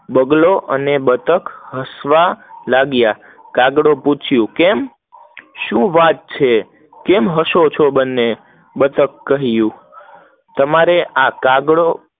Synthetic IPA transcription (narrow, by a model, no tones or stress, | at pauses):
bəɡloʔə̰nebət̪əkɦəsʋalaɡja | kaɡɽoput͡ʃʰjũkɛm | ʃũʋat̪̚t͡ʃʰe | kɛmɦəʃot͡ʃʰobənːe | bət̪əkːəɦjũ | t̪əmaɾeʔakaɡɽo